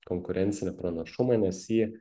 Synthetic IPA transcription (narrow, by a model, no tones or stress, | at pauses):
kɔŋkʊɾʲʔɛnʲt̪sʲɪnʲɪpɾɐnɐʃʊmɐnʲɛsʲiɛ